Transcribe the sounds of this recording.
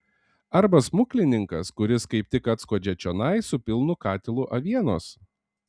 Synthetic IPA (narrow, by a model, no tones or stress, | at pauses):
ɐɾbɐsmʊkʲlʲɪnʲɪŋkɐskʊɾʲɪskɐɪp̚t̪ʲɪkɐt̪skoːd͡ʒʲɛt͡ʃʲɔːnɐɪsʊpʲɪlˠnʊkɑːt̪ʲɛlˠʊʔɐʋʲiɛnoːs